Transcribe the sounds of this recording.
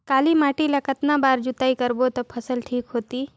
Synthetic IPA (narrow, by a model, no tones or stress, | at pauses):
kalimaʈilakət̪nabaːɾd͡ʒut̪aikəɾbot̪əpʰəsəlʈʰiːkɦoːt̪iː